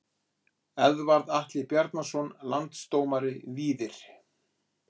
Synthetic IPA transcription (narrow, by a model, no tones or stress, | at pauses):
ɛðvaɾðaht̪lɪpjɛɾt̪nasɔnlant̪st̪oːwmaɾɪviːðɪɾ̥